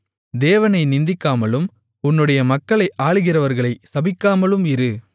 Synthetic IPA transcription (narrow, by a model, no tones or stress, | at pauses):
d̪eːʋɐnɐɪnɪnd̪ɪkːaːmɐlɯm | ʊnːɯɽɐjɐmɐkːɐɭɐɪʔaːɭɯɣɪrɐʋɐɾɣɐɭɐɪsɐbɪkːaːmɐɭɯmɪɾɯ